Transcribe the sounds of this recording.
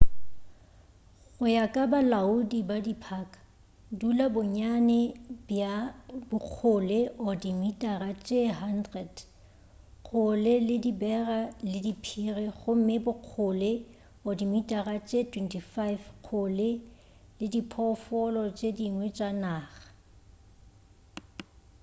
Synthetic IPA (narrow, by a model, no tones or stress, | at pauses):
ɣʊjakʼabalaudibadipʰaːkʼḁ | dulabʊɲanɛbjabʊq͡χʰʊleʔɔdimitʼarat͡ʃʼeɦandrɛd | χʰʊlɪlɪdibɛralɪdipʰirɛχʊm̩mɪbʊq͡χʰʊle | ɔdimitʼarat͡ʃʼetʰwɛntʰifajfq͡χʰʊlɪ | lɪdipʰɔfɔlɔt͡ʃʼediŋwɛt͡ʃʼanaːχḁ